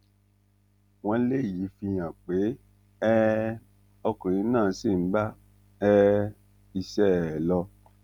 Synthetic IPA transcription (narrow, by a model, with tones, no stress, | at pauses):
w̃ɔ̃˧˦le˦˨ji˨˦fi˧j̃ã˨k͡pe˨˦ | ɛ˦ | ɔ˧kũ˨ɾ̃ĩ˨˧˦nãː˦˨˦si˦˨m̩˦ba˦ | ɛ˦ | i˧ʃɛ˦˨lɔ˧